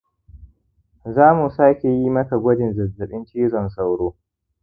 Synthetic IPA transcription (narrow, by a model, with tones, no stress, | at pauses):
zaː˦mu˨saː˦kʲe˨jiː˦mɐ˦ka˨ɡʷɔ˦dɪ˨nzɐ˨zɐ˨ɗɪ˦nt͡ʃiː˦zɔ˨nsa˦˨wɽoː˦